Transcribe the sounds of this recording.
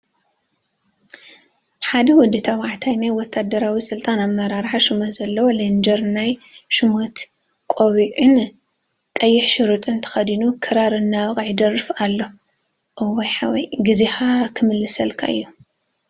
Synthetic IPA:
ħad̪ɐwɔd̪ɨt̪ʰawaʕt̪ʰajnajwɔt̪ʰːad̪ɐɾawisɨlt̪ʼanamːɐɾaɾħaʃɨmot̪zɐlːɐwolend͡ʒɐɾnajʃɨmot̪ | kʼoβiʔɨn | kʼɐjːɛħʃɪɾɨt̪ʼɨnt̪ʰɐ̥xɐd̪inukʰɨɾaɾɨnːawkʼʕid̪ɐrɨfalːo | ʔɨwɐjħawɔjɡɨzexakʰɨmɨlːɨsɐlkʰa̰ʔɨ̰jːu

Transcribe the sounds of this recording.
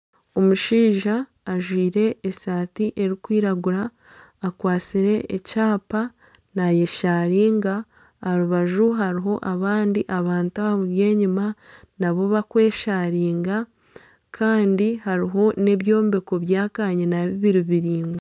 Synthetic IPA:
o̞muʃiːʒaː | ʒwiːɾe̞ːsaːtiʔe̞ɾikwiːɾaɡuɾaː | kwaːt͡siɾe̞ʔecaːpa | naje̞ʃaɾiːŋɡa | ɾuβaʒuɦaɾiɦo̞ʔaβaːndiʔaβaːntuaβje̞ːɲimanaβo̞βakwe̞ːʃaɾiːŋɡa | kʰaːndihaɾiɦo̞ne̞βjo̞ːmbe̞ko̞βjaːkaɲenaβiβiɾiβiɾiːŋɡe

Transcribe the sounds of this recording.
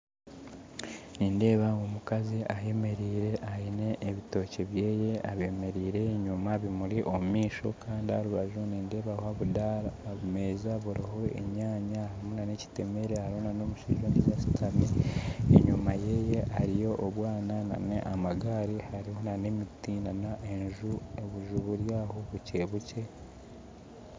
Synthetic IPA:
niːnde̞ːβaomukaziʔaje̞me̞ɾiːɾe̞ʔaine̞ʔːβito̞ːce̞βje̞ːje̞aβe̞me̞ɾiːɾe̞ɲumaβimuɾiʔomumiːʃo̞̰kʰaːndiaɾuβaʒuniːnde̞ːβawaβudaɾaːβume̞zaβuɾaho̞e̞̰ɲaːɲahaɾimunane̞ci̥te̞me̞ɾehaɾiho̞nano̞ːmuʃiʒondizasi̥tʰaβiḛɲumaje̞ːje̞ʔaɾijo̞ʔːβwaːnana̰nḛʔamaɡaːɾihaɾiho̞nane̞mitinanaʔe̞nʒueβuʒuβuɾjaːhoβuce̞ːβuce̞

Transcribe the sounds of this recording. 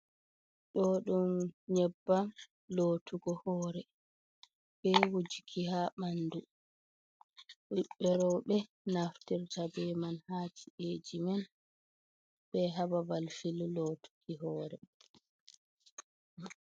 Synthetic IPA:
ɗɔɗumɲɛbːa | loːtʰuɡɔhɔːɾɛ | bɛwud͡ʒikʰihaɓandu | ɓuɓːɛɾɔɓɛ | naftiɾtabɛmanhaːd͡ʒiʔeːd͡ʒimɛn | bɛɦababalfiluloːtʰu̥kiɦɔːɾɛ

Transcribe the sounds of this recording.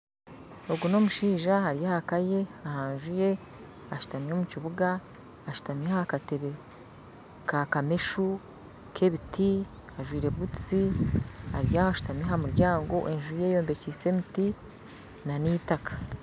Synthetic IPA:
o̞ɡuno̞muʃiːʒahaɾijahakaje̞ahaːnʒuje̞ | aʃu̥tamio̞muciβuɡaː | ʃu̥tamihaakate̞βe | kakameʃu | kʰe̞βitʰi | aʒwiːɾe̞βutt͡si | a̰ɾijahoaʃu̥tamehamuɾɟaːŋɡo̞̰ʔe̞nʒuje̞jo̞ːmbe̞ciːse̞miti | nanitakḁ

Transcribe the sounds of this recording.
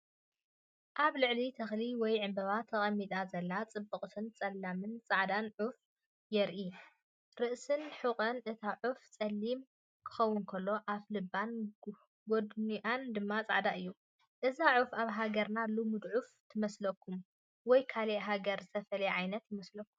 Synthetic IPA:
ʔaβlɨʕlit̪ʰɐxliwɔjʕɨmbɐβat̪ʰːɐχʼɐmːit̪ʼazɐlːat͡sʼɨbːɨχʼt̪ʰɨnt͡sʼɐlːamɨnt͡sʼaʕd̪anʕuf | jɛɾʔi | ɾɨʔsɨnħɨχʼɐnʔɨt̪ʰaʕuft͡sʼɐlːim | kʰɨ̥xɐwːʊnkʰɐlːo̞ʔaflɨbːan | ɡod̪niʔand̪ɨmːat͡sʼa̰ʕd̪aʔɨjːu | ʔɨzaʕufaβɦaɡɐɾnalumɨd̪ʕuft̪ʰɨmɐslɐkʰːum | wɔjkʰaleʔɦaɡɐɾzɨt̪ʰɐfɐlɐjʕajnɐt̪jɪmɐslɐkʰːumm

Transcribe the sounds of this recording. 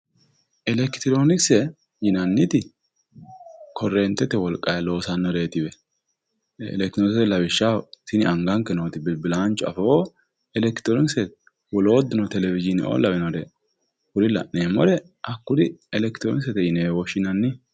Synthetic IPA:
ʔɛlɛkt̪ɪɾo̞ːnɪksɛ | jɪnɐnːɪt̪ɪ | kʰɔrːɛːnt̪ːɛt̪ɛwɔlkʼːɐjɐlo̞ːsɐnːɔɾe̞ːt̪ɪbɛ | ɛ̰lɛkt̪ɾonsɛlɐβɪʃːat̪ɪnɪɐŋɡɐŋkːɛnoːt̪ɪbɪlbɪlaːnt͡ʃɔɐ̰foː | ɛlɛkɪt̪ɔɾɪnsɛt̪ | wɔloːd̪ːʊnɔt̪ɛlɛvɪd͡ʒɪnɪ̰ʔo̰ːlɐbɛnɔdɛ | hʊɾɪlɐ̰ʔneːmɔɾɛ | ʔɐkːʊd̪ɪɛlɛkt̪ɪɾonsɛt̪ɛjɪneːwɔʃɪnɐnːɪ

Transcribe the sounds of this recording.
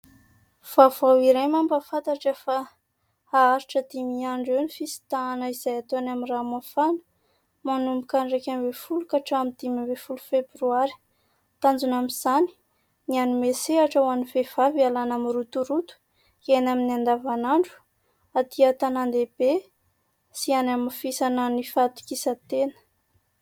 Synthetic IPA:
v̥avawiɾemambafat̪aʈ͡ʂəfa | aaɾiʈ͡ʂəd̪imiaɳɖ͡ʐewnifisi̥t̪aːnəiz̥ajat̪oanamiramafanə̥ | manumbukaɳɖ͡ʐakʲambefulukaʈ͡ʂaamid̪̥imabefulu̥febɾuaɾi̥ | t̪and͡zunamiz̥ani̥ | nianimeseaʈ͡ʂawanivev̥avialanamiɾut̪uɾut̪u̥ | kenaminand̪avanaɳɖ͡ʐu̥ | at̪iat̪anand̪eb̥e | sianamifisanənifat̪u̥kisət̪enə̥

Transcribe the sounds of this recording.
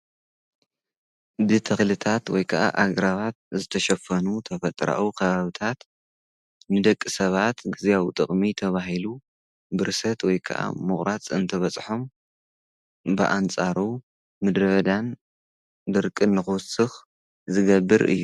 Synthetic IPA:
d̪ɨt̪ʰɐxlɨt̪ʰat̪wɔjkʰɐʔa̰ʔaɡɾaβat̪̚zɨt̪ʰɐʃɐfɐnut̪ʰɐfɐt̪ʼɾa̰ʔukʰɐβaβɨt̪ʰat̪ | nɨd̪ɐkʼːɨsɐβat̪ɡɨzijawt̪ʼɨχʼmit̪ʰɐβaɦilu | bɨɾɨsɐt̪wɔjkʰɐ̰ʔa̰mɨχʼɾat͡sʼɨnt̪ʰɐβɐt͡sʼħo̞m | bɨ̰ʔant͡sʼaɾu | mɨd̪ɾɐβɐd̪an | d̪ɨɾkʼɨnːɨxɨwsɨx | zɨɡɐbːɨɾʔɨ̰jːu

